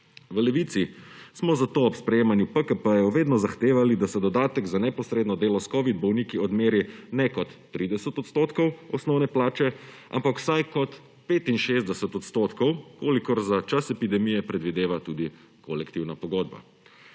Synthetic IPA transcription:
ʋəlɛʋiːt̪sismɔzat̪oːpspɾɛjeːmanjupəkəpəjɔʋeːd̪nɔzaxt̪eːʋalid̪asɛd̪ɔd̪aːt̪ɛɡzanɛpɔsɾeːd̪nɔd̪eːlɔskɔʋid̪̚bɔwnikiɔd̪meːɾjɛnɛkɔt̪ːɾiːd̪ɛsət̪ɔt̪st̪oːt̪kɔwɔsnɔwnɛplaːt͡ʃɛʔa̰mpakw̥sajkɔt̪ | peːt̪inʃeːzd̪ɛsət̪ɔt̪st̪oːt̪kɔwkoːlikɔɾzat͡ʃasɛpid̪ɛmijɛpɾɛd̪ʋid̪eːʋat̪uːd̪i | kʰolɛkt̪iwnapɔɡoːd̪̚ba̰

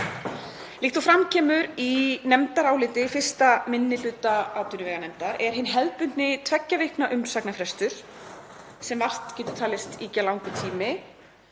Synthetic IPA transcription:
lɪxt̪afɾamcʰɛːmʏɾinɛmt̪aɾaːwlɪːt̪ɪfɪr̥st̪amɪnːɪlʏːt̪aaːwt̪ʏnʏvɛːɣanɛmt̪aɾɛɾ̥ɦɪnːɦɛðpʏnt̪nɪt̪ʰvɛcːavɪhknaʔʏm̥saknafɾɛst̪ʏɾ̥ | sɛmvar̥t̪cɛːt̪ʏ̥t̪ʰaːlɪst̪iːcalawŋkʏt̪ʰiːmɪ

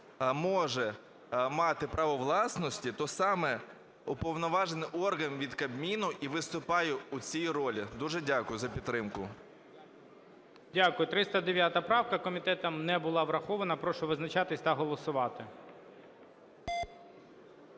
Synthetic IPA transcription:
mɔʒɛ | mɑt̪ɪpɾɐʋɔʋlˠɑsnɔsʲtʲit̪ɔsɑmɛ | ʊpɔwnɔʋɑʒenɪʔɔrɦɐnʋʲid̪kɐbmʲinʊʔiʋɪst̪ʊpɑjɛut͡sʲijɾɔlʲid̪uʒɛdʲakʊjʊzɐpʲit̪t̪ːɾɪmkʊ | dʲakʊjʊt̪ɾɪst̪ɐd̪eʋʲjat̪ɐpɾɑwkɐkɔmʲit̪ɛt̪ɐmnɛbʊlˠɑʋɾɐxɔʋɐnɐpɾɔʃʊʋɪznɐt͡ʃɑt̪ɪsʲt̪ɐɦɔlˠɔsʊʋɑt̪ɪ

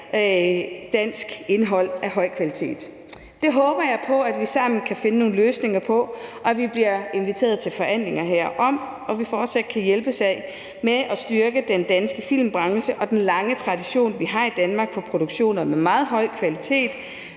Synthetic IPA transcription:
d̥æn̰sɡ̥e̝nɦɒ̽l̰æɦɒ̽ɪ̰kʰʋælit͡sʰe̝̰ːd̥ | d̥e̝ɦɔːb̥ɐjɑ̈ɪpʰɒ̽æd̥ʋisɑ̈m̰n̩kʰæfe̝nəno̝ːn̩løːsne̝ŋɐpʰɒ̽ʔɒ̽ʋib̥liɐe̝nʋit͡sʰe̝̰ːɐðˠt͡sʰe̝lfɒ̽æn̰le̝ŋɐɦeɐ̰ʔɒ̽m | ɒ̽ʋifɒːd̥sæd̥̚kʰæjelb̥əsæɪ | meʔɒsd̥yɐɡ̥əd̥end̥ænsɡ̥əfil̰mb̥ʁɑ̈ŋɕəʔɒ̽d̥enlɑ̈ŋət͡sʰʁɑ̈d̥iɕo̝̰ːnʋiɦɑ̈id̥ænmɑ̈ːɡ̥fɒ̽pʰʁo̝d̥uɡ̥ɕo̝̰ːnɐmemɑ̈ːð̞̩ˠɦɒ̽ɪ̰kʰʋælit͡sʰe̝̰ːd̥

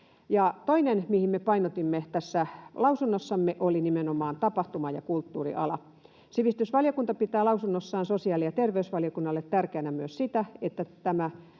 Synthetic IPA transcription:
jɑt̪oinenmihimmepɑinot̪imːet̪æsːælɑusunːosːɑmːeʔolinimenomɑːnt̪ɑpɑht̪umɑjɑ̰kult̪ːuːrḭʔɑ̰lɑ | siʋist̪ysʋɑljokunt̪ɑpit̪æːlɑusunːosːɑːnsosiɑːlijɑt̪erʋeysʋɑlijokunːɑlːet̪tærkeænæmyøssit̪æet̪ːæt̪æmæ

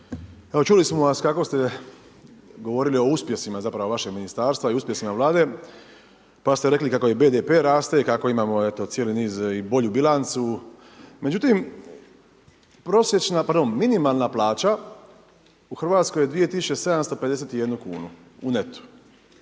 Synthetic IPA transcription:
eo̞t͡ʃulismo̞ʋaskako̞st̪e | ɡo̞ʋo̞ɾilio̞uspje̞simazapɾaʋo̞ʋaʃeɡminist̪aːɾst̪ʋaiuspjesimaʋlˠaːd̪e̞ | past̪e̞ɾe̞klikakojebe̞d̪epeɾaːst̪eikako̞imaːmo̞e̞t̪o̞t̪sijeliniːzibo̞ʎubilant̪su | me̞d͡ʑut̪im | pɾo̞sjet͡ʃnapaɾd̪ommːinimalˠnaplaːt͡ʃa | uxrʋaːt̪skojed̪ʋije̞t̪isut͡ʃese̞d̪amst̪o̞pe̞d̪ese̞t̪ije̞d̪nukuːnu | une̞t̪u̥

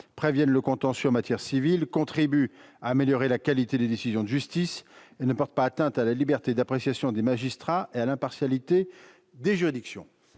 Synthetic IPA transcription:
pχevjɛnləkɔ̃t̪ɑ̃syɑ̃mat̪ʰjɛʁsivilkɔ̃t̪χibyaːmeljɔʁelakalit̪ed̪ed̪esizjɔ̃d̪əʒyst̪isenəpɔʁt̪̚paːt̪ɛ̃t̪alalibɛʁt̪ed̪apχesjasjɔ̃d̪emaʒist̪χaealɛ̃paʁsjalit̪e | d̪eʒyʁid̪iksjɔ̰̃

